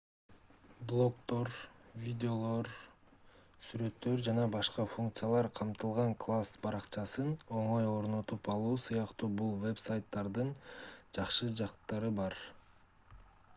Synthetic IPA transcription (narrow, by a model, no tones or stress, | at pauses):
blˠo̞kt̪o̞ɾvʲidʲeo̞lˠo̞ɾ | syɾø̞t̪ːø̞ɾd͡ʒɑnɑbɑʃqɑfuŋk̚t̪sɨjalˠɑɾqʰɑmt̪ɯlˠʁɑŋklˠasbɑɾɑqt͡ʃɑsɯno̞ɴo̞jo̞ɾno̞t̪upɑlˠuːsɯjɑqt̪uːbulˠve̞psajt̪ːɑɾd̪ɯnd͡ʒɑqʃɯd͡ʒɑqt̪ːɑɾɯbɑɾ